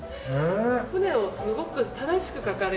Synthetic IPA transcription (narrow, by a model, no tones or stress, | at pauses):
eɸɯ̟ne̞o̞sɨɡo̞kɯ̟t̪ad̪aɕi̥kɯ̟kakaɾe